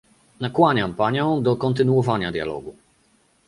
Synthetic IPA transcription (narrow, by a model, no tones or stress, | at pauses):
nakwaɲampaɲɔ̃w̃d̪ɔkɔnt̪ɘnuɔvaɲad̪ʲja̰lɔ̰ɡu